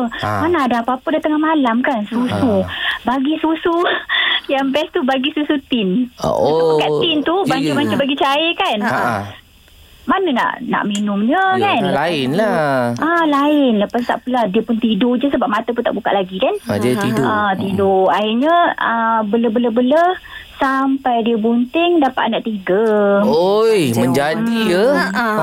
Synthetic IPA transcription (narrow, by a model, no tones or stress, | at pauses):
əmanadaapapədat̪əŋahmalamkansusubaɡisusu | jaŋbɛst̪ubaɡisusut̪ɪn̰ | kaʔt̪ɪnt̪ubaɲt͡ʃumat͡ʃambaɡit͡ʃaəkan | manəna̰ʔna̰ʔminʊmɲəkanlaɪnlaʔalaɪnləpas̬t̪a̰ʔpəlahdiəpʊnt̪idod͡ʒəsəbap̚mat̪ap̬ʊnt̪a̰ʔbuka̰ʔlaɡikanadət̪idoət̪idoahiɲəəbələbələbələsampajdiəbunt̪ɪŋdapa̰ʔnaʔt̪iɡəojməɲd͡ʒadiə